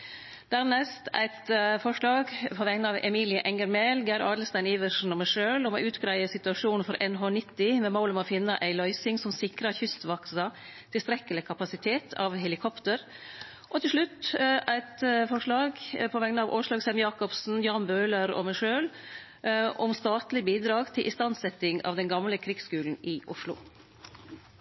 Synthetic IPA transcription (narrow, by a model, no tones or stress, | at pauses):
d̪̥æɾnɛst̪æ̰ɪt̪fɔʂɭɑːɡpʰɔʋɛŋnəɑʋɛ̰miːlɪəʔɛŋəɾmɛlɡæɾɑːɖ̪l̩st̪æɪniːʋəʂn̩ɔmæʂøːlɔmo̰ʔʉːt̪ɡɾæɪəsɪt̪ʉɑʂuːnn̩fɔɾʔɛnɦoːnɪt̪ːɪmɛmoʊlɔmoːfɪnːəʔæɪlœʏsɪŋsɔmsɪkɾəɾçʏst̪ʋɔksɑ | t̪ʰɪlst̪ɾɛkːəlɪkʰɑpɑsɪt̪ʰeːt̪ʰɑ̰ʋɦɛlɪkʰɔpt̪əɾ | ʔɔt̪ʰɪlʂɭʉt̪ːæɪt̪fɔʂɭɑːɡpʰɔʋɛŋnəɑʋʔo̰ːʂlɑːɡsɛmjɑːkɔpsn̩jɑːnbøːləɾɔ̰mæɪʂøːl | ʔɔmst̪ɑːt̪lɪbiːd̪ɾɑːɡt̪ʰɪlʔɪst̪ɑnsɛt̪ːɪŋɑ̰ːʋd̪ɛnɡɑmləkʰɾɪɡskʉːln̩ɪʔʊʂlʊ̰